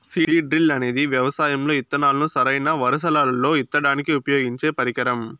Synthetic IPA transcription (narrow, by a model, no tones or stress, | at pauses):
siːʈiːɖɾilɐne̞ːd̪iʋjɐʋɐsaːjɐmlo̞ːit̪ːɐnaːlɐnusɐɾɐjnaːʋɐɾɐs̬ɐlaːlɐlo̞ːit̪ːɐɽaːnikiupɐjo̞ːɡiɲt͡ʃe̞ːpɐɾikɐɾɐm